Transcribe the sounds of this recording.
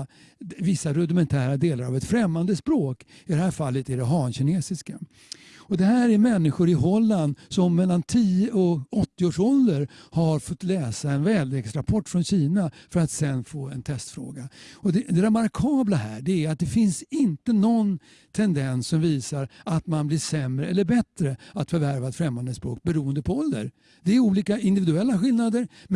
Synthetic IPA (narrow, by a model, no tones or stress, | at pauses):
vɪsːaɾɵd̪ɪmɛnt̪ʰæːɾad̪eːlaɾavɛt̪fɾɛmːand̪əspɾoːkɪd̪ɛhæːfalːət̪ɪɖɛɦɑːnɕɪneːsɪska | ɔd̪ɛhæːɾæɾmɛnːɪɧʊɾɪɦɔlːand̪sɔmːɛlːant̪ʰiːəʔɔɔt̪ːɪoːʂɔld̪əɾhaɾfɔt̪ːlɛːsaɛnvɛːllɛɡsɾapʰɔʈːfɾɔnɕiːnafœɾat̪sɛnfoːɛnt̪ʰɛst̪fɾo̰ːɡaɔd̪ɛd̪ɛɾɛmaɾkʰɑːblahæ̰ːɖɛæɾat̪̚d̪ɛfɪnsɪnt̪ənɔn | t̪ʰɛnd̪ɛnsːɔmviːsaɾat̪manbliʂɛmɾəɛlːəɾbɛt̪ɾəat̪fœɾvæɾvaɛt̪fɾɛmːand̪əspɾo̰ːk̚bɛɾuːənd̪əpʰɔɔlːə̰ɾ | d̪ɛæɾuːliːkaɪnd̪ɪvɪd̪ɵɛlːaɧɪlnad̪əɾm